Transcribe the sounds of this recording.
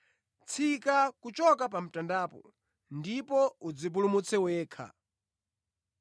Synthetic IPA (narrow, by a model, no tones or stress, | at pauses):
t͡sʰikakut͡ʃɔkap̬am̩tandaːpɔ̰ | ndipɔud͡zip̬ulumut͡sʰɛwɛːkʰa̰